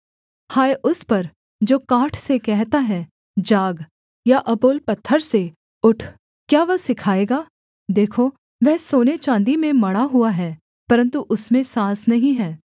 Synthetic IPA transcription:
haːeʔʊspɐɾ | d͡ʒoːkaːʈʰsekɛɦt̪aɦɛ | d͡ʒaːɡ | jaʔɐboːlpɐt̪ʰːəɾse | ʊʈʰ | kjaːʋɐsɪkʰaːeːɡaː | d̪eːkʰo | ʋɛɦsoːnet͡ʃãːnd̪imẽmɐɽaɦuaɦɛː | pɐɾə̃nt̪uʔʊsmẽsãːsnɐɦĩɦɛː

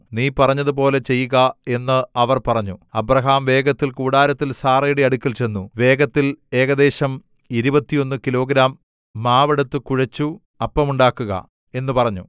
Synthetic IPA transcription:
niːpɐrɐɲːɐðup̬o̞ːle̞t͡ɕe̞jːuɣɐe̞nːɨɐʋɐrpɐrɐɲːuɐbrɐɦaːmʋe̞ːɡɐt̪ːilkuːɽaːɾɐt̪ːilsaːrejɽiɐɽukʲːɐlt͡ɕe̞nːuʋe̞ːɡɐt̪ːile̞ːɡɐd̪e̞ːɕɐm | iɾubɐt̪ːijo̞nːukilo̞ːɡɾaːmː | aːʋɐɽɐt̪ːɨkuɻɐt͡ɕːu | ɐpːɐmuɳɖaːkːuɣɐ̰ | e̞nːupɐrɐɲːu

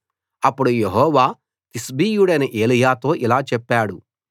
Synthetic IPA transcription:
ɐpːuɽujeɦɔːʋaː | t̪isbiːjuɽɐjnɐʔe̞ːlijaːt̪o̞ːʔilaːt͡ʃɛpːaːɽu

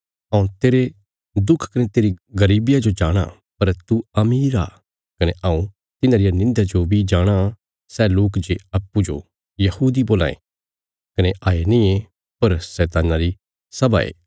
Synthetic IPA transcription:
ɐũt̪eːɾe | d̪ʊkʰkɐnet̪eːɾiɡɐɾiːbɪjad͡ʒod͡ʒaːɽ̃a̰ | pɐɾt̪uɐmiːɾa̰ː | kɐneʔãũ | t̪ɪnaɾɪjanɪ̃nd̪ad͡ʒobʱid͡ʒaːɽ̃a | sɛloːkd͡ʒeɐpːud͡ʒo̰ | jɐhuːd̪iboːla̰ːḛ̃ | kɐneʔaːenĩe | pɐɾsɛːt̪aːnaɾi | sɐba̰ːḛː

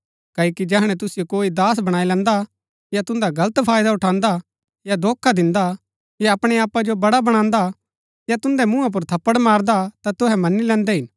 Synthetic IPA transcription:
kɐːikid͡ʒɛɦɽ̃ɛt̪ʊsɪjokoːid̪aːsbɐɽ̃aːilɛ̃ːnd̪a | jat̪ʊ̃nd̪aɡɐlət̪pʰaːjd̪aʊʈʰãːnd̪a | jad̪oːkʰːad̪ɪ̃nd̪a | jaɐpɽ̃ɛaːpːad͡ʒobɐɽabɐɽ̃ãːnd̪a | jat̪ʊ̃nd̪ɛmʊ̃ãp̬ʊɾt̪ʰɐpːəɽmaːɾd̪at̪at̪ʊɦɛmɐnilɛ̃ːnd̪ɛɦɪn

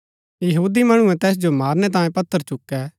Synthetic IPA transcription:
jɐɦuːd̪imɐɽ̃ʊɛ̃t̪ɛːs̬d͡ʒomaːɾnɛt̪̬ãːjẽpɐt̪ʰːəɾt͡ʃʊkːɛː

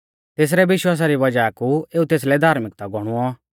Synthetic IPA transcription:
t̪eːs̬ɾɛʋɪʃwaːs̬aɾiʋɐd͡ʒaːkueːut̪eːs̬lɛd̪ʱaːɾmɪk̚t̪aɡʱɔɽ̃uɔ

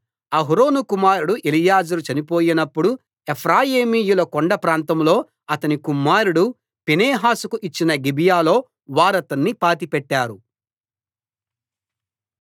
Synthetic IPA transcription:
ɐɦuɾo̞ːnukumaːɾuɽuʔelijaːd͡ʒuɾut͡ʃɐnipo̞ːjinɐpːuɽu | epʰɾaːjeːmiːjulɐkoɳɖɐpɾaːnt̪ɐmlo̞ː | ɐt̪ɐnikumːaːɾuɽu | pineːɦaːsukuʔit͡ʃːinɐɡibijaːlo̞ː | ʋaːɾɐt̪ɐnːipaːt̪ipɛʈːaːɾu

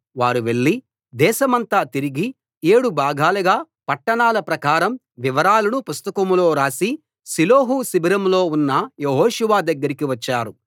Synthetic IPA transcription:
ʋaːɾuʋe̞ɭːi | d̪ɛːʃɐmɐnt̪aːt̪iɾiɡi | eːɽubʱaːɡʱaːluɡaː | pɐʈːɐɳaːlɐpɾɐkaːɾɐm | ʋiʋɐɾaːlɐnupust̪ɐkɐmlo̞ːɾaːsi | siloːɦusibiɾɐmlo̞ːunːɐjeɦoːʃuʋaːd̪ɐɡːɐɾikiʋɐt͡ʃːaːɾu

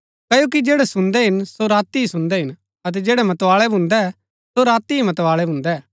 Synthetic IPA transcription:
kɐjoːk̬id͡ʒeːɽɛsʊ̃nd̪ɛɦɪnsoɾaːt̪iɦisʊ̃nd̪ɛɦɪn | ɐt̪̬ɛd͡ʒeːɽɛmɐt̪ʋaːɭɛbʱʊ̃nd̪ɛ | soɾaːt̪iɦimɐt̪ʋaːɭɛbʱʊ̃nd̪ɛː

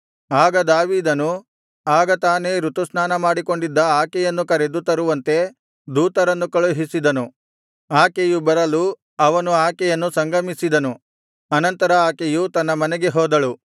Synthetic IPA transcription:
aːɡɐd̪aːʋiːd̪ɐnu | aːɡɐt̪aːne̞ɾut̪usnaːnɐmaːɽiko̞ɳɖid̪ːɐaːkɛjɐnːukɐɾe̞d̪ut̪ɐɾuʋɐnt̪e̞ | d̪uːt̪ɐɾɐnːukɐɭuɦisid̪ɐnu | aːkejubɐɾɐlu | ɐʋɐnuaːkɛjɐnːusɐŋɡɐmisid̪ɐnu | ɐnɐnt̪ɐɾɐaːkejut̪ɐnːɐmɐneɡe̞ɦɔːd̪ɐɭu

